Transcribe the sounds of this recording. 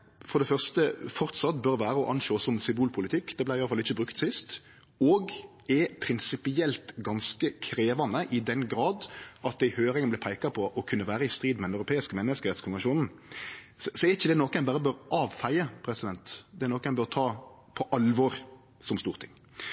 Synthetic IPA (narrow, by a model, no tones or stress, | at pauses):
fɔʁd̪ɛfœʁst̪əfɔɾt̪sɑt̪ːbœɾʋæːɾəɔʔɑnʃoːsɔmsʏmbuːlpʰʊlɪt̪ʰɪkːd̪ɛblæɪɪjɑləɑlɪçːəbɾʉkt̪sɪst̪ | ɔɡ | ɛpʰɾɪnsɪpɪɛlt̪ɡɑnskəkʰɾeːʋɑnəʔɪd̪ɛnɡɾɑːd̪ʔɑt̪̚d̪æɪhøːɾɪŋənblɪpʰæɪkɑpʰɔʔɔkʰʉnːəʋæːɾəɪst̪ɾiːd̪mɛd̪ɛnœʉɾʊpʰeːɪskəmɛnːəskəɾɛt̪skʰʊnʋɛnʃuːnn̩ | sɔsɔɛɾɪçːəd̪ɛnoːkəɛɪnbɑːɾəbøːɾʔɑːʋfæɪəpʰɾɛsɪd̪ɛnt̪d̪ɛɛɾnoːkɛɪnbøːɾt̪ʰɑː | pʰɔʔɑlʋɔɾ | sɔmst̪uːɾt̪ʰɪŋː